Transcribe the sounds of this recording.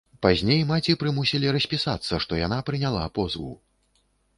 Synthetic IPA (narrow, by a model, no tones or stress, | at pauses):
pazʲnʲejmat͡sʲipɾɨmusʲilʲiɾɐsʲpʲisat̪sːɐʂt̪ɔja̰napɾɨnʲalˠa̰pɔzvṵw